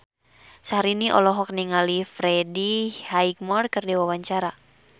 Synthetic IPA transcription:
saɦaɾiniʔɔ̰lɔɦɔk̚niŋalifɾɛdihaik̚mɔrkɨrdiwawaɲt͡ʃaɾa

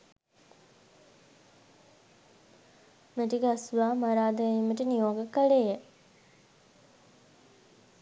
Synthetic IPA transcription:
meʈikasuʋaːmaɾaːd̪əiməʈənijoːɡəkəɭejə

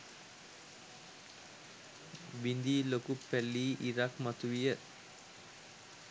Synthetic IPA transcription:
bind̪iːlokupːɛlːiːʔiɾakmɐt̪uʋijə

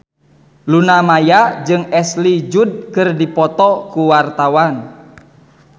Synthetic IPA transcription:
lunamajad͡ʒɨŋɛslid͡ʒud̚kɨrdipɔt̪ɔkuwart̪awan

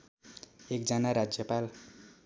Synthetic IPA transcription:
ek̚d͡zʌnaɾad͡zjʌpal

